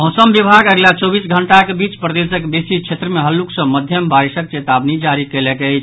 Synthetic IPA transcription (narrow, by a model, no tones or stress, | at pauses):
ɦɔ̃səmbibʱaɡəɡlat͡ʃɔbisɡʱəɳʈakebit͡ʃpɾəd̪esəkbesit͡ʃʰet̪ɾəmeɦəlːuksə̃məd̪ʱjəmbaɾisək̚t͡ʃet̪abnid͡ʒaɾikelɛkɛjt͡ʃʰ